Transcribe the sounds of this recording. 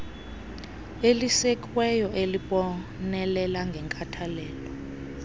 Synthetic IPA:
elisɛkʼwɛjɔʔeliɓɔnɛlɛlaŋɡʱɛŋkʼatʰalɛːlɔ

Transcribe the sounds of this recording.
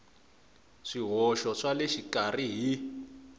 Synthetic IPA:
ʂiɦɔʃɔʂaleʃikariɦi

